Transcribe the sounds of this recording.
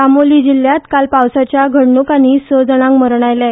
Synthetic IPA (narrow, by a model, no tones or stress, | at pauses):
amolid͡ʑiljat̪kalpawsat͡ɕjaɡʱəɽɳukañisəd͡zəɽãŋkməɾɳajlja